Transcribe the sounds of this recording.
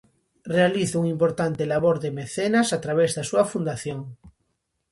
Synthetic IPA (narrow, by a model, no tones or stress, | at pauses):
realiθʊuŋimpoɾt̪ant̪elaβoɾðemeθenasat̪ɾaβ̞ezðasuafund̪aθjoŋ